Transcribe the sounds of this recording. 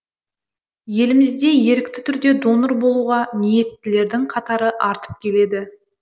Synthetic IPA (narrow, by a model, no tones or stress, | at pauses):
je̞lɪmɪzd̪e̞je̞ɾɪk̚t̪ɪt̪ʰʏɾd̪e̞d̪o̞nəɾbo̞lˠuʁɑnije̞t̪ːɪle̞ɾd̪ɪŋqʰɑt̪ɑɾəʔɑɾt̪ə̥p̚kʲʰe̞le̞d̪ɪ